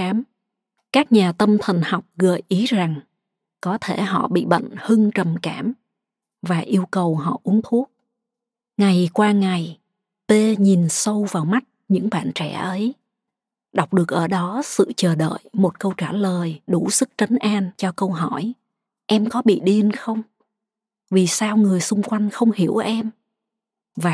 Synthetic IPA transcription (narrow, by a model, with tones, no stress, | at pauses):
aː˨˦m | kaː˦˥k̚ɲaː˨˩t̪ə˧mt̪ʰə˨˩ŋ̟ha˨˩wk͡p̚ɣə̰ː˧˨jʔi˨˦za˨˩ŋ | kɔ˨˦t̪ʰe˧˩ɦɔ̰˧˨ɓḭ˧˨ɓə̰˧˨ŋ̟hɨ˧ŋt͡ɕə˨˩mkaː˧˩m | vaː˨˩ʔi˧əwkə˨˩wɦɔ̰˧˨ʔu˨˦əŋt̪ʰu˦˥ək̚ | ŋa˨˩jkwaː˧ŋa˨˩j | t̪e˧ɲi˨˩nsə˧wvaː˨˩wma˦˥t̚ɲɨ̰˧˥ŋɓa̰ː˧˨nt͡ɕɛ̰˧˩ʔə˨˦j | ɗa˨˩wk͡p̚ɗɨ˨˩ək̚ʔəː˧˩ɗɔ˨˦sɨ̰˧˨t͡ɕəː˨˩ɗə̰ː˧˨jmo˨˩t̚kə˧wt͡ɕaː˧˩ləː˨˩jɗu˧˩sɨ˦˥k̚t͡ɕə˨˦ŋ̟ʔaː˧nt͡ɕɔ˧kə˧wɦɔ˧˩j | ʔɛ˧mkɔ˨˦ɓḭ˧˨ɗi˧ənxə˧wŋ͡m | vi˨˩saː˧wŋɨ˨˩əjsʊ˧ŋ͡mkwa˧jŋ̟xə˧wŋ͡mhi˧˩əwʔɛ˧m | vaː˨˩